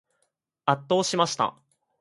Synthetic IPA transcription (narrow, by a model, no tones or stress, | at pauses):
at̪ːo̞ːɕimaɕi̥t̪a̰